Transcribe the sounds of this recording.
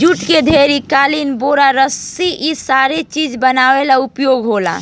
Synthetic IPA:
d͡ʒuʈked̪ʱeɾikaːlinboɾaɾəsiʔisaɾet͡ʃid͡ʒbənaːwelaʊpjoɡɦola̰

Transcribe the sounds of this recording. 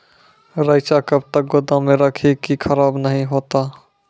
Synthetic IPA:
ɾəɪt͡ʃakəb̚t̪ək̚ɡʊd̪ãmẽɾəkʰikikʰəɾaːbnəɦĩɦoːt̪a

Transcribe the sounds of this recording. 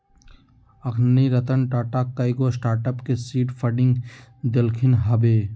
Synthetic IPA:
ɐkʰniɾɐt̪ənʈaːʈakːajɡosʈaːɾʈəpkesiːʈfʰɐɖɪ̃ŋɡd̪elkʰɪnɦɐbeː

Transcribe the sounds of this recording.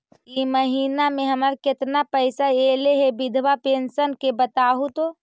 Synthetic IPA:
iməɦiːnamẽɦəməɾkɪt̪napəɪsaeːleɦebɪd̪ʱʋapensənkebət̪aːɦut̪o

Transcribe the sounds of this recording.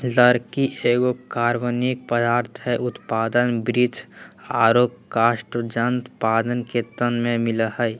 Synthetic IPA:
ləɾkiʔeːɡokaːɾʋənik̚pəd̪aːɾt̪ʰɦɛʊt̪paːd̪ənbɾɪt̪ʰaːɾoːkkaːʃʈəd͡ʒənt̪paːd̪ənket̪ənmẽmɪləhə

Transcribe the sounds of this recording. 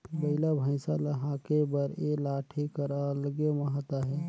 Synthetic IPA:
bəɪlabʱə̃ɪ̃saləɦãkebəɾelaʈʰikəɾəlɡeməɦat̪aɦɛː

